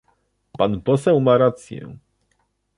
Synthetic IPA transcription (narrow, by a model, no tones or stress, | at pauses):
panpɔsɛwmaɾat̪sjɛ̰